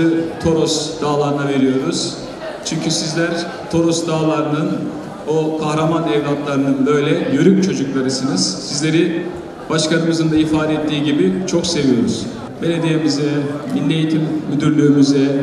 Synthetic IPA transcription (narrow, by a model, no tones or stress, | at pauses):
ɯt̪ʰo̞ɾosd̪̥aːlˠaɾɯnave̞ɾijo̞ɾuz̥ | t͡ʃʰyɲcʰysizlʲæɾ | t̪ʰo̞ɾosd̪aːlˠaɾɯnɯn | okʰahɾamanɛvd̪at̪lˠaɾɯnɯnbø̞jlʲɛjøɾymt͡ʃʰo̞d͡ʒuklˠaɾɯsɯnɯz̥sizlʲe̞ɾi | b̥aʃkanɯmɯzɯnd̪aifaːd̪ɛɛt̪ʰːiːɟibit͡ʃʰo̞kse̞vijo̞ɾuz̥ | be̞lʲe̞d̪ijemyzɛminːejit̪ʰimmyd̪yɾlʲyːmyzɛ